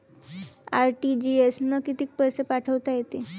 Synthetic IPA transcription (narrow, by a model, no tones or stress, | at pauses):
aɾʈid͡ʑiesnəkit̪iːk̚pəjsepaʈʰəʋt̪ajet̪e